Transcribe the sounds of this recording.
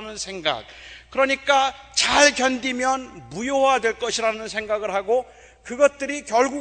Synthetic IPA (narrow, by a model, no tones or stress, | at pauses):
nɯnsʰe̞ŋɡa̰k̚k͈ɯɾʌɲik͈at͡ɕaɭkjʌndimjʌnmujowadwe̞ɭk͈ʌɕʰiɾanɯnsʰe̞ŋɡaɡɯɭɦaɡo | kɯɡʌt̚t͈ɯɾikjʌɭɡu